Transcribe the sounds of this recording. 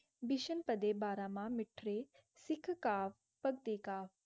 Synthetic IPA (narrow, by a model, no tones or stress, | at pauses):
bɪʃənpəd̪eːbaːɾãːmãːmɪʈʰɾeː | sɪkʰkaːʋ | pəɡt̪eːkaːʋ